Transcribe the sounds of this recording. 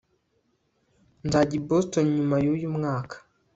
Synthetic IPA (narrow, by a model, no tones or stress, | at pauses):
ndaɟibostonɲumajojumŋaːkḁ